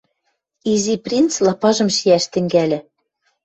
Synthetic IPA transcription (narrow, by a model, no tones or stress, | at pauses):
iziprʲint͡slˠɑpɑʒɤ̆mʃiæʃt̪ɘ̆ŋɡælʲɘ̆